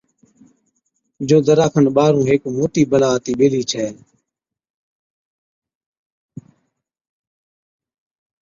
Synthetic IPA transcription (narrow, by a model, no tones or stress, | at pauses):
d͡ʒoːd̪əɾaːkʰənɓaːɾũːɦeːkmoːʈiːbəlaːt̪iːɓeːliːt͡ʃʰɛː